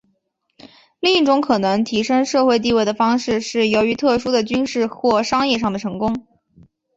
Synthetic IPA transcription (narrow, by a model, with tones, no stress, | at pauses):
li˥˧ŋi˥˩ʈ͡ʂʊ˧˥ŋkʰɤ˨˩nɤə˧˥ŋt̪ʰi˧˥ʂɤ˥ŋʂɤ˥˧xwe˥˧ɪt̪̬i˥˧we˥˩ɪd̪ə˩fɑ˥ŋʂɻ̩˥˧ʂɻ̩˥˩jo˧˥ʊy˧˥t̪ʰɤ˥˩ʂu˥d̪ə˨t͡ɕy˥nʂɻ̩˥˧xwɔ˥˩ʂɑ˥ŋjɛ˥˧ʂ̬ɑ˥˩ŋd̪ə˩ʈ͡ʂʰɤ˧˥ŋkʊ˥ŋ